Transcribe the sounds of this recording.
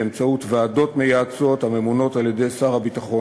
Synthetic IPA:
emt͡sautvaːdo̞tmejaːt͡so̞thame̞muno̞taljede̞jsaʁhabitaχo̞

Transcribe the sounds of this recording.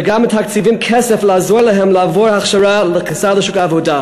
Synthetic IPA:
ɡamːɪtʰhakt͡sivimkʰɛsɛflazɔɾlaɦɛmlavɔhaχʃaɾaləχisaləʃukaːvoda

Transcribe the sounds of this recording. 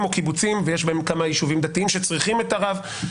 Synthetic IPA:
mo̞kibut͡simvejeʃbeemkamajiʃuvimd̪at̪iimʃet͡sʁiχimet̪aʁav

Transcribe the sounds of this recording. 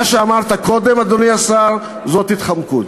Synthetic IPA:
aʃeamaʁt̪ako̞d̪emad̪oniasaʁ | zo̞t̪hit̪χamkut̪

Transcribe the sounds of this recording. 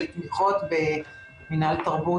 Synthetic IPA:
lt̪miχot̪be | minalt̪aʁbu

